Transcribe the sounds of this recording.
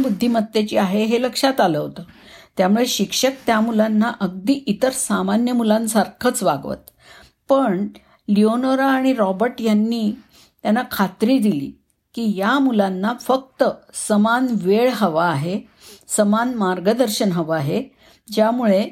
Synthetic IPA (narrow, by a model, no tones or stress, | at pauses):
bud̪ʱːiːmət̪ːet͡ɕiːaɦeɦeləkʂat̪aləɦot̪ət̪jamuɭeɕikʂək̚t̪jamulanːaʔəɡ̚d̪iːʔit̪əɾsamanjəmulãnsaɾkʰət͡sʋaɡʋə̰t̪ | pəɳ | lionoɾaːɽ̃iɾɔbəɾʈjanːiː | t̪janːakʰat̪ɾiːd̪ilḭː | kiːjamulanːafək̚t̪əsəmanʋeɭɦəʋaːɦe | səmanmaɾɡəd̪əɾɕənɦəʋaːɦe | d͡ʑjamuɭe